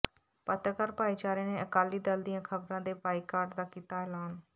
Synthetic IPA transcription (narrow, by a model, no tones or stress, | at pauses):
pət̪ɾəkəɾpaːiːt͡ʃaːɾẽːneːəkaːliːd̪əld̪ɪjãːkʰəbɾãːd̪eːpaːiːkaːɾɖd̪aːkiːt̪aːɛːlaːn